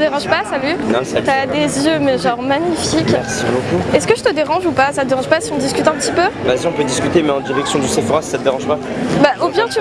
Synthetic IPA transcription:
əd̪eʁɑ̃ʒpasalyñt̪yad̪ezjømɛʒɑ̃ʁmaɲifikʲɛʁsibokuɛsəkəʒət̪əd̪eʁɑ̃ʒupasat̪əd̪eʁɑ̃ʒpasiɔ̃d̪iskʲyt̪ɛ̃pət̪ipøvaziɔ̃pød̪iskʲyt̪emɛɑ̃d̪iʁɛksjɔ̃d̪ysefoʁasi̥sat̪əd̪eʁɑ̃ʒpa | baʔobjɛ̃t̪

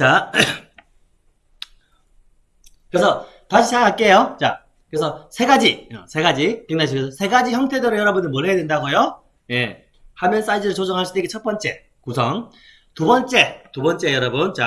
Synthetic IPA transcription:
t͡ɕa | kɯɾesʰʌ | taɕʰit͡ɕakaɭk͈e̞jot͡ɕa̰ | kɯɾesʰʌsʰe̞ɡad͡ʑiʌ̰sʰe̞ɡad͡ʑikeŋnaɕʰikɯsʰʌsʰe̞ɡad͡ʑiçjʌŋtʰe̞dʌɾɯjʌɾʌbunɯɭmʌɭːejadwe̞ndaɡojo | je̞ | hamjʌns͈aid͡ʑɯɾɯɭt͡ɕod͡ʑʌŋɦaɭs͈ud̪eikːet͡ɕʰʌt̚p͈ʌnt͡ɕ͈e̞ | kusʰʌŋ | tubʌnt͡ɕ͈e̞tubʌnt͡ɕ͈e̞jʌɾʌbunt͡ɕa

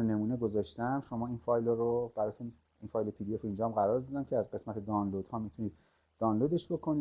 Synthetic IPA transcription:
ene̞muːne̞ɡo̞zɒːʃt̪æmʃo̞mɒːiːnfɒːjlɒɾob̥æɾɒːt̪ʰun | infɒːjlepʰid̪ie̞foind͡ʒɒmɢæɾɒːɾd̪ɒːd̪æmcʰeæzɢe̞smæt̪ʰe̞d̪ɒːnlod̪̥hɒːmit̪ʰuniːd̪̥̚ | d̪̥ɒːnloːd̪e̞ʃbokʰo̞niː

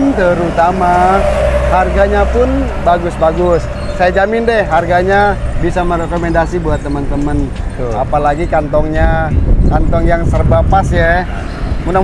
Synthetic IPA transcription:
nt̪əɾut̪ama | harɡaɲapʊn | baɡʊsbaɡʊsː | ajad͡ʒamɪndɛhɦarɡaɲabisamərɛkɔmɛndasibuat̪ːəmənt̪əmənt̪ʊapalaɡikant̪ɔŋɲakant̪ɔŋjaŋsərbapasjɛ | muda

